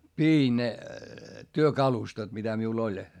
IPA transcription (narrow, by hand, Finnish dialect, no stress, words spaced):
piːn ne tyøkɑlustot mitæ miul olʲ